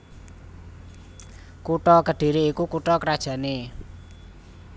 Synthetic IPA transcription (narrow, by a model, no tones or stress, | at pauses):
kuʈɔkəɖ̥i̤ɾiːkukuʈɔkəɾad̥ʒ̥ä̤ne